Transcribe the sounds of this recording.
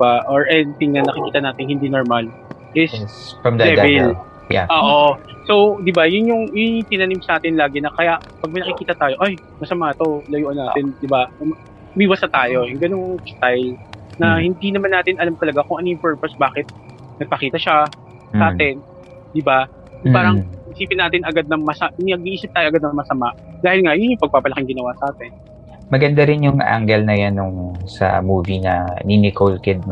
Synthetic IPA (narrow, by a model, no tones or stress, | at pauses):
aʔoɹʔɛnɪt̪ɪŋnɐnɐkɪkiːt̪ɐnaːt̪ɪnhɪnd̪inoɹmal | ʔɪsɐmlɛvɛl | ʔoːʔoso̞wd̪ɪbajʊnjʊŋjʊŋt̪ɪnanimsaːt̪ɪnlaːɡɪnɐkɐjaʔpɐɡ̚mɐjnɐkɪkiːt̪ɐt̪aːjoʔaj | mɐsɐmaːt̪olɐjuʔɐnaːt̪ɪnd̪ɪbam | miwasɐt̪aːjo̞jʊŋɡɐnoŋst̪ajlnɐhɪnd̪inɐmanːaːt̪ɪnʔɐlamt̪ɐlɐɡakoŋʔɐnojʊŋpɛɹpɐsbaːkɪt̪̚ | nɐɡ̚pɐkiːt̪ɐʃa | ʔaːt̪ɛn | d̪ɪba | paːɾɐŋɪsiːpɪnːaːt̪ɪnɐɡad̪̚nɐŋmɐsɐʔnɪɐɡ̚ʔiʔiːsɪp̪̚aːjoʔɐɡad̪̚nɐŋmɐsɐmaʔd̪aːhɪlŋajʊnjʊŋpɐɡ̚paːpɐlɐkɪŋɡɪnɐwasɐʔaːt̪ɛn | mɐɡɐnd̪aɾɪnjʊŋʔa̰ŋɡɛlnɐjanːʊŋsɐ̰muːvinɐninɪkolkɪd̪̚